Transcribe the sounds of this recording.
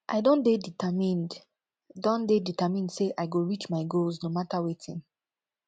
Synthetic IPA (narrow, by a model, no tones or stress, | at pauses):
ʔa̰ɪdõndeditamĩn | dɔ̃ndeditamĩndseʔaɪɡoɹit͡ʃmaɪɡolznomatawetʰḭ̃n